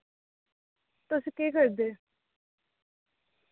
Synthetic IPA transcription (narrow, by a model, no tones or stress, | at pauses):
t̪ʊsiːkeːkəɾd̪eː